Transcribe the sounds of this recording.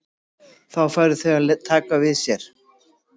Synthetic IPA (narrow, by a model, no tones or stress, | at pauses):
θawfaːjɾʏθɛɣalɛt̪ʰːaːkavɪðsjɛɾ̥